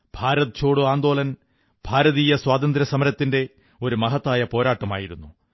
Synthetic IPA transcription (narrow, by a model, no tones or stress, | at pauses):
b̥ʱaːɾɐðɐt͡ɕʰo̞ːɽuaːnd̪o̞ːlɐn | b̥ʱaːɾɐðiːjɐswaːt̪ɐnd̪ɾɐsɐmɐɾɐt̪ːinde̞ | o̞ɾumɐɦɐt̪ːaːjɐpo̞ːɾaːʈːɐma̰ːjiɾunːu